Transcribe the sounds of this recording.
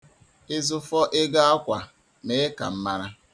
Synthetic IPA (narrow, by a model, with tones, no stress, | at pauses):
ɪ˦zʊ˦fɔ˦ʔɪ˦ɡa˦a˦kʷa˨ | ne˦ka̰˨m̩˦ma˦ɾa˦